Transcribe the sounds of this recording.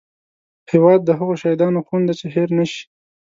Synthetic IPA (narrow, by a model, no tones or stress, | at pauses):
hewɑd̪̚ːəɦaɣoʃɑid̪ɑnoxund̪at͡ʃeɦeɾnaʃi̥